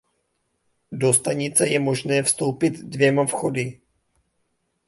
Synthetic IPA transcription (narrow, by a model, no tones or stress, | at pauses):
do̞st̪aɲɪt͡sɛjɛmo̞ʒnɛːfst̪o̞wpɪt̪dvjɛmafxo̞dɪ